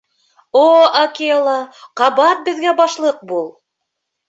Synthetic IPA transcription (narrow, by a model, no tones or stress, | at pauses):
oɐkʲeolˠɑqɑbɑɾ̚bɘ̆ðɡæbɑʃlˠɤq̚bulˠ